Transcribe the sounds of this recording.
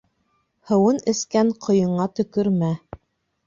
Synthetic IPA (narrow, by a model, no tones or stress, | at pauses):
hɤ̆wɤnɘ̆skæɴqʰŏjɤ̆ɴɑt̪ɵ̆kɵɾmæ